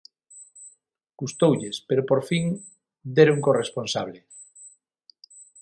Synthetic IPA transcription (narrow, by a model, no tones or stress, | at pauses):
ɡ̥ust̪owʎespeɾopoɾfiŋ | d̪eɾuŋkoresponsaβ̞le